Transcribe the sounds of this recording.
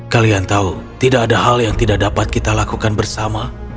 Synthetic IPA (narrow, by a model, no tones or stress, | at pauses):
kaliant̪aut̪idakːdaɦaljaŋt̪idak̚dapat̪̚kit̪alakukanbərsama